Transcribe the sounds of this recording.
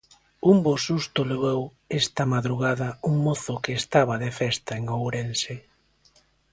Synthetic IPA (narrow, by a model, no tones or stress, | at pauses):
umbosust̪oleβew | ɛst̪ɐmaðɾuɣaðɐuŋmoθʊkeːst̪aβ̞ɐðefɛst̪aeŋowɾense